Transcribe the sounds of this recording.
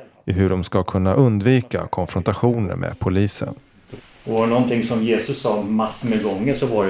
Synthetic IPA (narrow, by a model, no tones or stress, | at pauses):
ɪɦɵɖɔmskakʰɵnːaʔɵnd̪viːka̰kʰɔnfɾɔnt̪aɧuːnə̰ɾmḛːpʰʊliːsə̰n | ɔnɔnt̪ʰɪŋsɔmjeːsɵsːɑːmasmɛɡɔŋːəʂɔva